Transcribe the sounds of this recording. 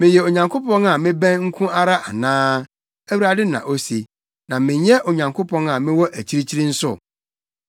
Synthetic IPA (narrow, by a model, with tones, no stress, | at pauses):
mɪ̃˨jɛ˨o˨ɲã˨ŋkʰo˦pɔ̃˦na˨mɪ̃˦bæ̃˦nŋ̩˦kʰũ˦a˦ɾa˦ʔa˨nãː˦ | æ˦wi˦ɾa˨dɪ˦nã̰˨ʔo˦si˨ | nã˨mɪ̃˨ɲɛ˦ʔo˨ɲã˨ŋkʰo˦pʰɔ̃˦na˨mɪ̃˦wɔ˦ʔæ˨t͡ɕʰi˦ɾi˦t͡ɕʰi˦ɾĩ˦n̩˦sʊ̰˦˨